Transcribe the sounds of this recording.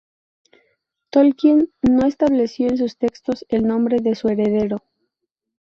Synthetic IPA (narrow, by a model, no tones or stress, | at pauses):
t̪olkjinːoe̞st̪aβle̞sjo̞ens̬ust̪e̞kst̪o̞se̞lnõmbɾe̞ðe̞sue̞ɾe̞ðe̞ɾo̞